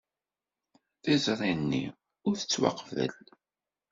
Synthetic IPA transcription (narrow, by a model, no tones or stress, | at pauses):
θizrˤinːḭ | ʊɾθət͡sːwɑ̰qvə̰l